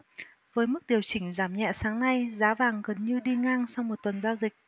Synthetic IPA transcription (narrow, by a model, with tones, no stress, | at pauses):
vəː˨˦jmɨ˦˥k̚ɗi˨˩əwt͡ɕï˧˩ŋ̟zaː˨˩mɲɛ̰˧˨saː˨˦ŋna˧jzaː˨˦vaː˨˩ŋɣə˨˩nɲɨ˧ɗi˧ŋaː˧ŋsa˧wŋ͡mmo˨˩t̚t̪wə˨˩nzaː˧wzï˨˩k̚